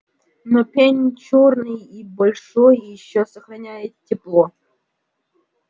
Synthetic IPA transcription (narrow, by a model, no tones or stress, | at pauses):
nɐpʲenʲt͡ɕornɨjibɐlʲʂojɪɕːosəxrɐnʲajɪt̪tʲːɪplˠo